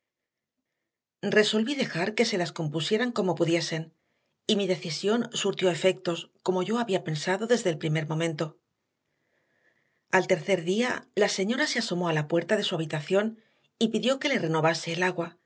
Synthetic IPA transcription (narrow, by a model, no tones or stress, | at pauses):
re̞so̞lβiðe̞xaɾke̞se̞lasko̞mpusje̞ɾaŋko̞mo̞puðje̞se̞n | imiðe̞θisjo̞nsuɾt̪jo̞e̞fe̞k̚t̪o̞sko̞mo̞ʝo̞aβiape̞nsaðo̞ðe̞zðe̞lpɾime̞ɾmo̞mẽnt̪o̞ | alt̪e̞ɾθe̞ɾðia̰lase̞ɲo̞ɾase̞aso̞mo̞alapwe̞ɾt̪aðe̞suaβ̞it̪aθjo̞n | ipiðjo̞ke̞le̞re̞no̞βase̞ːlaɣwa